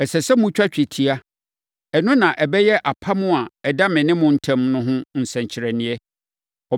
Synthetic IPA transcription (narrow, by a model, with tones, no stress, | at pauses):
ɛ˨sɛ˨sɛ˦mʊ̃˦t͡ɕᶣa˦t͡ɕᶣi˨tʰi˨a˦ | ɛ˨nʊ̃˦nã˨ʔɛ˨bɛ˦jɛ˦ʔa˨pʰa˦mʊ̃˦a˨ɛ˨da˦mɪ̃˨nɪ̃˦mʊ̃˦n̩˦tʰɛ̃˦mnʊ̃˦ɦʊ̃˦n̩˨sɛ̃˨ɲt͡ɕʰɪ˨ɾɛ˨nɪ̃˨ɛ˦ | ɔ˨